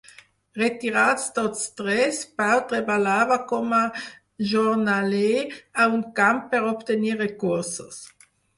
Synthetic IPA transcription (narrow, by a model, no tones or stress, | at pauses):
ʁet̪iʁat̪st̪otst̪ʁɛspawt̪ʁebalaːvakoma | ʒoʁnaleauŋkamppːeʁopt̪eniʁekuʁso̰s